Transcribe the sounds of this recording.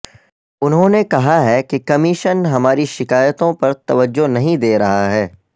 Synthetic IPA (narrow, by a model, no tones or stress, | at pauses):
ʊnɦõnekɐɦaɦɛkikɐmɪʃənɦɐmaːɾiʃɪkaːjət̪õpɐɾt̪ɐʋəd͡ʒːonɐɦĩd̪eːɾɐɦaɦɛː